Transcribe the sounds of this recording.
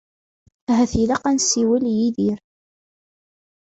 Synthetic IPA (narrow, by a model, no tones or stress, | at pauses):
æɦæθilaqɑnsiwæljiðiɾ